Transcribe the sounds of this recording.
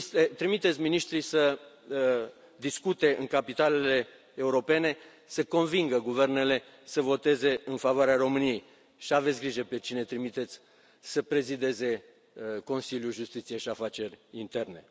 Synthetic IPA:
t̪et̪ɾimit̪et̪sʲminiʃt̪ɾijsə | d̪iskut̪e̞ɨŋkapit̪ale̞le̞ː | uɾo̞pe̞ne̞ | səko̞nviŋɡəɡuve̞rne̞le̞ | səvo̞t̪e̞ze̞ɨnfavoaɾearo̞mɨnijej | ʃiave̞t̪sʲɡɾiʒəpe̞t͡ʃine̞t̪ɾimit̪e̞t̪sʲ | səpɾe̞zid̪e̞ze̞ | ko̞nsiljuʒust̪it̪sije̞ʃiafat͡ʃe̞rʲint̪e̞rne̞̰

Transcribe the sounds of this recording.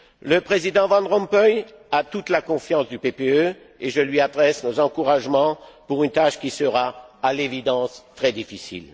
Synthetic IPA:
ləpχezid̪ɑ̃vɑ̃nd̪ʁɔ̃mpɔjat̪ut̪lakɔ̃fjɑ̃sd̪ypepeø | eʒəlɥiad̪ʁɛsnozɑ̃kuʁaʒmɑ̃puʁynt̪aʃkʲisəʁaalevid̪ɑ̃st̪χɛd̪ifisḭl

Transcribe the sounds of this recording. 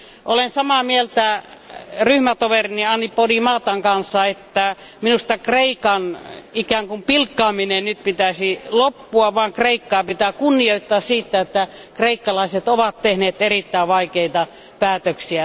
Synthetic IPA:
ʔolensɑmɑːmielt̪æ | ryhmæt̪oʋeriniɑnːipːodimɑːt̪ɑŋkɑnsːɑet̪ːæ | minust̪ɑkreikɑnikæːŋkumpilkːɑːminennyt̪̚pit̪æsilopːuɑʋɑːŋkreikːɑːpit̪ækunːioit̪ːɑːssiːt̪ːæet̪ːækreikːɑlɑiset̪oʋɑt̪t̪ehneːt̪erit̪ːæiʋɑikeit̪ɑ | pæːt̪øksiæ

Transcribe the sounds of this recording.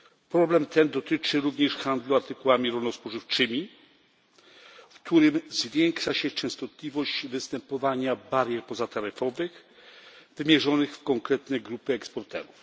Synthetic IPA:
pɾɔblɛmt̪ɛnd̪ɔt̪ɘt͡ʂɘɾuvɲɛʂxand̪luaɾt̪ɘkuwamʲiɾɔlnɔspwɔʐɘft͡ʂɘmʲi | fkt̪uɾɘmzvʲjɛŋkʂaɕɛt͡ʂɛ̃w̃st̪ɔt̪lʲivɔʑd͡ʑvɘst̪ɛmpɔvaɲabaɾjɛɾpɔzat̪aɾɘfɔvɘx | vɘmʲjɛʐɔnɘxfkɔŋkɾɛt̪nɛɡɾupɘɛkspɔɾt̪ɛ̰ɾuf

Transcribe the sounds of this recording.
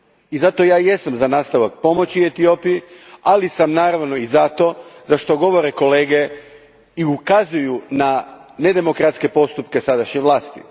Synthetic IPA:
izat̪o̞jaːje̞samzanaːst̪aʋak̚po̞mo̞t͡ɕie̞t̪io̞pijialisamnaːɾaʋno̞izat̪o̞zaʃt̪o̞ɡo̞ʋo̞ɾeko̞leːɡe̞ | iukazujunane̞d̪e̞mo̞kɾat̪ske̞po̞st̪upke̞sad̪aʃɲeʋlˠaːst̪ḭ

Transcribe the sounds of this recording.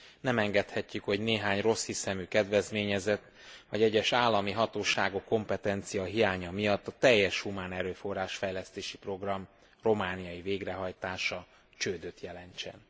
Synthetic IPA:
nɛmɛŋɡɛt̪hɛcːykho̞ɟneːɦaːɲro̞shisɛmykɛd̪vɛzmeːɲɛzɛt̪ː | vɒɟɛɟːɛʃaːlːɒmiɦɒt̪oːʃaːɡokːo̞mpɛt̪ɛnt̪sijɒɦijaːɲɒmijɒt̪ːɒt̪ɛjːɛʃhumaːnɛɾøːfo̞rːaːʃfɛjlɛst̪eːʃipro̞ɡrɒm | ro̞maːnijɒjiveːɡrɛɦɒjt̪aːʃɒ | t͡ʃøːd̪øːt̪jɛlɛɲt͡ʃɛ̰n

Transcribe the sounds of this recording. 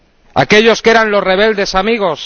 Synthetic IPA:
a̰ke̞ʎo̞skeɾanlo̞sre̞β̞e̞ld̪e̞samiɣ̞o̞s

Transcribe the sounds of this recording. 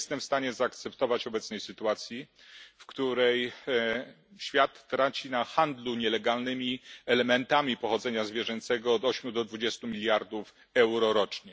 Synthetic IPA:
st̪ɛmfst̪aɲɛzaːkt̪sɛpt̪ɔvat͡ɕɔbɛt̪snɛjsɘt̪uat̪sʲji | fkt̪uɾɛj | ɕfʲjat̪ːɾat͡ɕinaxand̪luɲɛlɛɡalnɘmʲiɛlɛmɛnt̪amʲipɔxɔd̪zɛɲazvʲjɛʐɛnt̪sɛɡɔːd̪ɔɕmʲjud̪ɔd̪vud͡ʑɛst̪umʲilʲjaɾd̪uf | ɛwɾɔɾɔt͡ʂɲɛ

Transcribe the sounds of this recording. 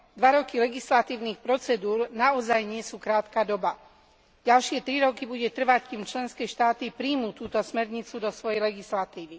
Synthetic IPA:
d̪ʋaɾɔkilɛɡislat̪iːʊniːxpɾɔt͡sɛd̪uːɾnaɔzajɲɪɛsuːkɾaːt̪kaːd̪ɔba | ɟalʃɪɛt̪ɾiɾɔkibuɟɛt̪r̩ʋackiːmt͡ʃlɛnskɛːʃt̪aːt̪ipɾiːmuːt̪uːt̪ɔsmɛɾɲit͡sud̪ɔsʋɔjɛjlɛɡislat̪iːʋi

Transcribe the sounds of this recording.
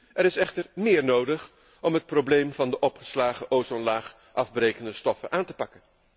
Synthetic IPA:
ʔɛɾɪsɛχtəɹmɪːɹnowdəχ | ɔmɦət̚problejmvɑndəʔɔpχə̥slaːχəʔowzɔnlaːχ | ʔɑvbrejkəndəstɔfə̰nʔaːntəpɑkən

